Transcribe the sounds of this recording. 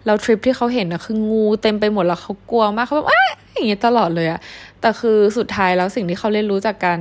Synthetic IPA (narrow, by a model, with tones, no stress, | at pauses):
lɛː˦˥wt̪ʰɾi˦˥p̚t̪ʰiː˥˩xa˦˥wɦe˩˦nʔːa˧˥xʰɯː˧ŋuː˧t̪e˧mpa˧jmo˨˩t̚lɛ˦˥xʰa˦˥wku˧ɐmaː˥˩kʰːa˦bːʔa˦˥ja˨˩ŋːi˦˥t̪a˧lɔː˨˩t̪̚lɤː˧jʔa˨˩ʔt̪ɛː˨˩xʰɯː˧su˨˩t̪ʰːaː˦˥jlɛː˦˥wsi˨˩ŋt̪ʰiː˥˩xʰa˦˥wle˥˩nɾuː˦˥t͡ɕaː˨˩kːa˧n